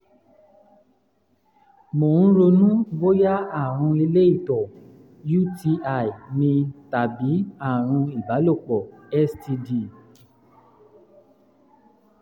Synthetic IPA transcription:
mo˨ñ̩˦ɾo˧nũ˦ɡ͡bo˦ja˦a˦˨ɾ̃ũ˧i˧le˦i˦˨tɔ˨ | ju˦ti˧a˦˨i˨nĩ˧ta˨bi˨˦a˦˨ɾ̃ũ˧i˨ba˨˦lo˦˨k͡pɔ˨ɛ˦sti˧di˧˨

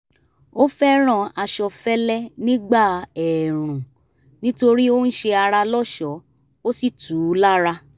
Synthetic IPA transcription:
o˦fɛ˦ɾ̃ã˦˨a˧ʃɔ˧fɛ˦lɛ˦nĩ˦ɡ͡ba˦˨ɛ˨ɾ̃ũ˨ | nĩ˦to˧ɾi˦o˦n̩˦ʃe˧a˧ɾa˧lɔ˦ʃɔ˨˦ | o˦si˦˨tu˨˦la˦ɾa˧

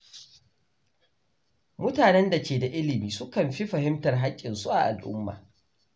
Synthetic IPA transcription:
mʊ˦taː˨nɛ˦nda˨kʲeː˨da˨ʔɪ˦lɪ˨miː˨sʊ˦kɐ˨mɸi˦ɸɐ˨hɪ˦mtɐ˨rɦa˦kʲʼːɪ˨nsu˦ʔa̰˨ʔa̰˨lʔʊ̰˦mːa̰ː˨

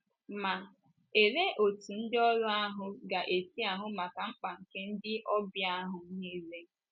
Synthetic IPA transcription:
ma˨ | e˨ɾe˦ʔo˨tu˨n̩˦dɪ˦ɔ˦lɔ˦a˦ɦʊ˦ɡa˨ʔe˨si˦a˨ɦʊ˦ma˨ka˨ŋ͡m̩˦k͡pa˨ŋ̩˨ke˦n̩˦dɪ˦ʔɔ˦bja˦ɦʊ˨˦ɲi˦le˦

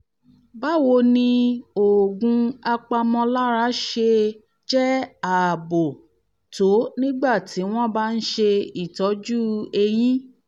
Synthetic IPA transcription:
ba˦wo˧nĩ˧o˨ɡũ˧a˧k͡pa˧mɔ̃˧la˦ɾa˨˦ʃe˧ | d͡ʒɛ˦a˨bo˨ | to˨˦nĩ˦ɡ͡ba˦˨ti˨˦w̃ɔ̃˦ba˦n̩˦ʃe˧i˦˨tɔ˨˦d͡ʒu˦e˧j̃ĩ˦

